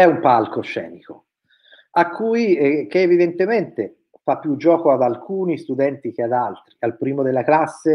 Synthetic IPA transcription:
ɛumpalkoʃɛ̰ːniko | akːujkeːvid̪ent̪ement̪e | fapːjud͡ʒːɔːkoad̪alkuːnist̪ud̪ɛnt̪ikead̪alt̪ɾialpɾiːmod̪elːaklasːe

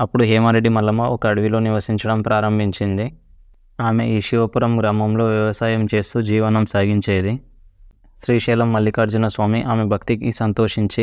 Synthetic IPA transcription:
ɐpːuɽuɦɛːmaːɾeɖːimɐlːɐmɐɔkɐːɽɐʋilo̞ːniʋɐsiɲt͡ʃɐɽɐmpɾaːɾɐmbʱiɲt͡ʃind̪i | aːme̞ʔiːʃiʋɐpuɾɐmɡɾaːmɐmlo̞ːʋjɐʋɐsaːjɐmt͡ʃe̞ːst̪uːd͡ʒiːʋɐnɐmsaːɡiɲt͡ʃeːd̪i | ʃɾiːʃɛːlɐmːɐlːikɐɾd͡ʒunɐsʋaːmiʔaːmebʱɐkt̪ikisɐnt̪o̞ːʂiɲt͡ʃi

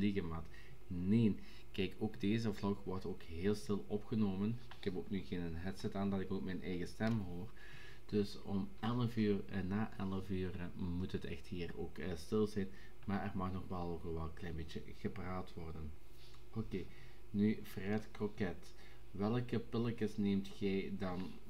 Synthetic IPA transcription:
liɣəmɑt | neːn | kɛjkoːɡdeːzəvlɔxʋɔrtoːkɦeːlˠstɪlˠɔpxənoːmən | ɪkhɛpoːknyɣeːnənɦɛtsɛtaːndɑtɪkoːkmɛjnʔɛjɣəstɛmɦoːr | d̥ɵs | ɔm | ɛləfyːrnaːʔɛlˠəfyːr | mutɦətɛ̰xtɦiːro̰ːk | stɪlˠzɛjn | maːɛrmɑxnɔxbɑlˠoxɔlʋɛlˠklɛjnbeːtjə | ɣəpraːtʋɔrdən | oːkeː | nyvrɛtkrokɛt | ʋɛlˠkəpɪlˠəkəsneːmtxɛjdɑn

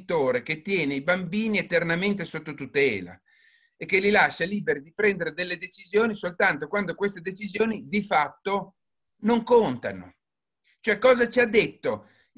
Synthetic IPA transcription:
t̪oːɾek̟et̪ːjɛːneibambiːniet̪ernament̪̬esot̪ːot̪ut̪ɛːla̰ | ek̟ːelilaʃːaliːbeɾid̪ipɾɛnd̪eɾed̪elːed̪et͡ʃizjoːnisolt̪ant̪okwand̪okwest̪ed̪et͡ʃizjoːnid̪ifat̪ːo | noŋkont̪a̰no̰ | t͡ʃoɛkːɔːzat͡ʃiad̪ːet̪ːo

